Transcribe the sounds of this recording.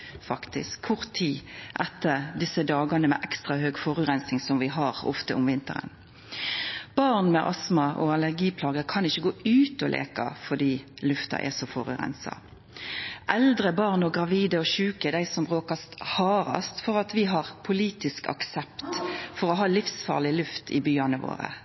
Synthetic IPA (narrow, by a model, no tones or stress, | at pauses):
fɑkt̪ɪ̰skʰʊʁt̪ʰiːʔɛt̪ʰːəʁd̪ɪsəd̪ɑːɡənəmɛ̰ʔɛkst̪ʁɑhøːɡfɔʁʉʁɛnsɪŋsɔmʋɪɦɑʁɔ̰ft̪əʊmʋɪnt̪ə̰ʁə̰n | b̥ɑʁnmɛʔɑsmɑʔɔɑləʁɡiːpʰlɑːɡəkʰɑnɪçːəɡoːʔʉːt̪ɔlʔḛːkɑ̰fɔd̪iːlʉft̪ɑ̰ʔɛ̰sɔfɔʁʉ̰ʁɛ̰nsɑ̰ | ʔɛld̪ʁəbɑʁnɔɡʁɑʋiːd̪əɔʃʉːkəd̪æɪsɔmbʁoːkɑst̪hɑːɾɑ̰st̪fɔʁɑt̪ʋɪɦɑʁpʰʊliːt̪ɪskɑ̰ksɛpt̪fɔʁɔɦɑːlɪfsfɑ̰ːlɪlʉft̪ʰɪ̰byːɑnəʋo̰ːʁə̰